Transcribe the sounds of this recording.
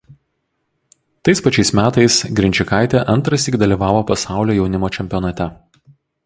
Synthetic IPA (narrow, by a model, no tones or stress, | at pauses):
t̪ɐɪspɐt͡ʃʲɛɪsmʲæːt̪ɐɪsɡɾʲɪnʲt͡ʃʲɪkaˑɪt̪ʲɛʔɐnt̪ɾɐst̪ʲɪɡd̪ɐlʲiːʋɑːʋoːpɐsɑˑʊlʲoːjɛʊnʲɪmoːt͡ʃʲɛmʲpʲɪɔnɐt̪ʲɛ